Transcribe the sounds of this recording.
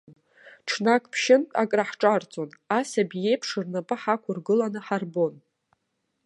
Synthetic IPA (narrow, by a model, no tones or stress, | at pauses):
ʈ͡ʂʰnakʰʼpʰʃɪntʼakʼraħʈ͡ʂʼart͡sʼo̞nasabije̞jpʰʂɨrnapʼɨħakʷʰʊrɡɨlanɨħarbo̞n